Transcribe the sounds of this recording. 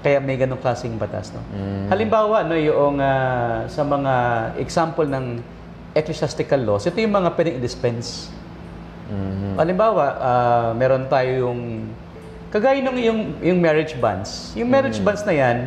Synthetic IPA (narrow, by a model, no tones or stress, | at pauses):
kɐjaʔmɐjɡɐnoŋklaːsɪŋbɐt̪a̰sno̰hɐlɪmbaːwɐʔɐnojʊʔoŋasɐmɐŋaʔɛ̰ɡsampolnɐŋ | ʔɛklɛsast̪ɪkɐlːosʔɪt̪o̞jʊŋmɐŋapwɛd̪ɪŋɪd̪ɪspɛns | hɐlɪmbaːwɐʔamɛːɾont̪aːjojʊŋ | kɐɡaːjɪnoŋjʊŋjʊŋmɛɹɪd͡ʒba̰nsjʊŋmɛɾɪd͡ʒbansnɐjan